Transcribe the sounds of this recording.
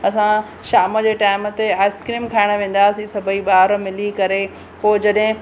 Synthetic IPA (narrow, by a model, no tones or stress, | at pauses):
ɐsã | ʃaːməd͡ʑeːʈaːɪmət̪eaːɪskɾiːmkʰaːɪɽ̃ə̆ʋẽːn̆d̪aːsisɐbʱəiɓaːɾmɪlikɐɾe | poːd͡ʑɐɗɦɪ̃